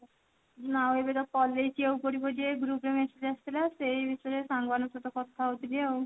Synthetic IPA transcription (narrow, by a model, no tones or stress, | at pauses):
nawebet̪ɔpɔlːejt͡ʃʰiewkoɾibɔd͡ʒeɡɾupɾemesed͡ʒast̪ʰilasejbʱit̪ɔɾesaŋbanut̪ut̪ɔkɔt̪ʰːaɦot̪ʰiliew